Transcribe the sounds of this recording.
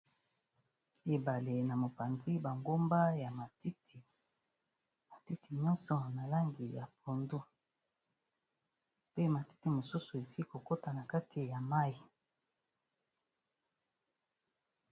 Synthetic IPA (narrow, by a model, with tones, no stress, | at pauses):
e˨ba˨le˨na˨mo˨pa˨ndi˦ba˨ŋɡo˦mba˦ja˨ma˨ti˦ti˨ | ma˨ti˦ti˨ɲɔ̃˦nsɔ˨na˨la˦ŋɡi˨ja˨p̚o˨ndu˦ | pe˦ma˨ti̥˦ti˨mo˨su˦su˨e˨si˦i˦ko˨ko˦ta˨na˨ka˦tʰi˨ja˨ma˦i˨